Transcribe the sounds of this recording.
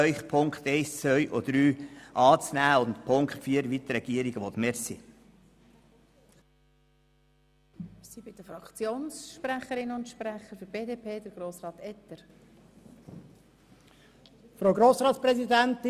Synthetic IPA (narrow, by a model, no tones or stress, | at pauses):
œʏχpʰʊŋkχt̪ɛɪst͡sʋœʏʔɔd̪ɾyːʔɑːt͡snæːʊnt̪pʰʊŋkχtfiːəɾʋit̪ɾɛɡ̥iːəɾiɡəʋɔt̪mɛɾsi | sibɪd̥əfɾɑkt͡sjoːnsʃpræχəɾɪnʊntʃpræχəɾføɾb̥eːdeːpʰeːd̥̪əɾɡ̥ɾoːsrɑːt̪ɛt̪əɾ | fɾoʊɡɾoːsɾɑːtt͡sspɾɛzidænt̪ɪ